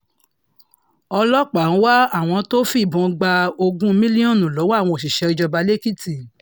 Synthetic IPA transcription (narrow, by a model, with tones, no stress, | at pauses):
ɔ˧lɔ˦k͡pa˨ũ˦wa˦a˦˨w̃ɔ̃˧to˦fi˦˨bũ˨˧ɡ͡ba˧o˧ɡũ˦mĩ˦li˦ɔ̃˦˨nũ˨lo˨˦wa˦˨w̃ɔ̃˧o˨ʃ̬i˨ʃɛ˧ɾi˨˧d͡ʒɔ˧ba˧le˦ki˦ti˨